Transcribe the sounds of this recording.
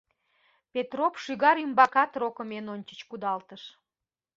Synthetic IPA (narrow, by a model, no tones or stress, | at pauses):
pet̪ropʃyɣɑɾymbɑkɑt̪rokəmenonʲt͡ɕə̥t͡ɕkud̪ɑlt̪əʃ